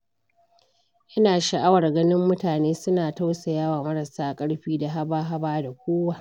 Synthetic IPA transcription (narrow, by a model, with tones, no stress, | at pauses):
ʔɐ˦naː˨ʃa˨ʔa˦wɐ˨rɡɐ˦nɪ˦mːʊ˦taː˨neː˦sʊ˦naː˨ta˦wsa˨jaː˦waː˨mɐ˦ɾɐ˨saː˦kʼɐ˦ɽɸiː˦da˨ɦa˦baː˦ɦa˦baː˦da˨kʷoː˦waː˦˨